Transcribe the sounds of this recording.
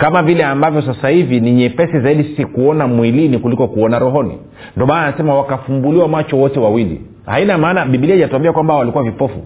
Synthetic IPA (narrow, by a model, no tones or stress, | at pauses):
kamavilɛambavjɔs̬asahiviniɲɛpɛsizaiɗisi̥sikuɔnamwilinikulikɔkuɔnaɾɔɦɔnḭ | ndiɔmanaasɛmawakafumbuliwamwat͡ʃɔwɔtɛwawilḭ | hainamaːnaɓiɓiliɛʄatawambiakwambawalikuwavipɔfṵ